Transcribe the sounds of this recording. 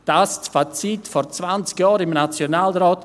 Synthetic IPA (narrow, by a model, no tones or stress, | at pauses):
d̥astfat͡sitfɔɾt͡svant͡skjɑːɾɪmnat͡sjonaːlɾɔːt